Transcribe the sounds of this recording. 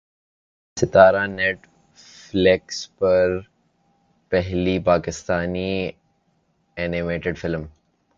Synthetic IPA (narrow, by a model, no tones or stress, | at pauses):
sɪt̪aːɾanɛʈ | flɛkspɐɾ | pɛɦlipaːkɪst̪aːni | ɛːnɪmeːʈɪɖfɪlm